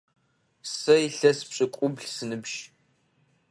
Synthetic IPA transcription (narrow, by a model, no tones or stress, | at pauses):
sɐjɬɐspɕʼɪkʷʼʊbɮsɨnɨbʒ